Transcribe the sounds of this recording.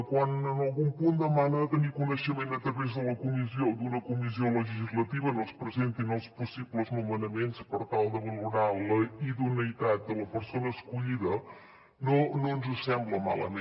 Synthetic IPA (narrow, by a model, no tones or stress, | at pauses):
kwanənəlˠɣumpund̪əmanət̪ənikunəʃəmenət̪ɾəβezðələkumiziod̪unəkumizioləʒiʒizlət̪iβənospɾəzent̪inəlˠspusibləznumənəmenspəɾt̪alˠd̪əβəluɾaləiðunəit̪at̪̚d̪ələpəɾsonəːskuʎiðə | nononzəsɛmbləma̰lə̰me